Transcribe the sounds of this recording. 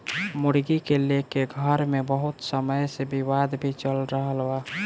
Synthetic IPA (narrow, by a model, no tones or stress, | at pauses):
mʊɽɡikelekeɡʱəɾmebəɦʊt̪səməjsebiwad̪bʱit͡ʃəlɾəɦəlwa